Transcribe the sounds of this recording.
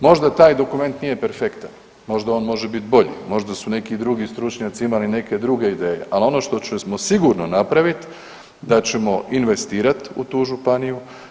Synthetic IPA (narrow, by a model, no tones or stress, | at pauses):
mo̞ʒd̪at̪aːjd̪o̞kume̞nt̪nije̞peɾfe̞kt̪an | mo̞ʒd̪ao̞ːnmo̞ʒebit̪bo̞ʎḭmo̞ʒd̪asune̞kid̪ɾuɡist̪ɾut͡ʃɲaːt̪siimaline̞ke̞d̪ɾuɡe̞id̪e̞ːje̞̰ʔalo̞no̞ʃt̪o̞t͡ɕesmo̞siɡuɾno̞napɾaʋit̪ | d̪at͡ɕe̞mo̞inʋe̞st̪iːɾat̪ṵt̪uːʒupaniju